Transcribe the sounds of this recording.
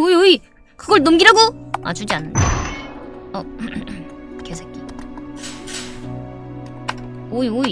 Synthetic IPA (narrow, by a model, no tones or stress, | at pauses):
oioi | kɯɡʌɭnomɡiɾaɡoa̰t͡ɕud͡ʑianːɯnda | ʌ | kesʰak͈i | oioi